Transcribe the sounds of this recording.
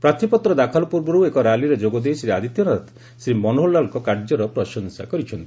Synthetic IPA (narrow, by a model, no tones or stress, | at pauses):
pɾat̪ʰipɔt̪ɾɔd̪akʰalɔpuɾbɔɾuwekɔɾaliɾed͡ʒoɡɔd̪ejsɾead̪ʱit̪jɔɾat̪ | sɾimɔnoɦolːalkɔkaɾd͡ʒɔɾɔpɾɔʃɔŋsa̰kɔɾit͡ʃʰɔnt̪ii̥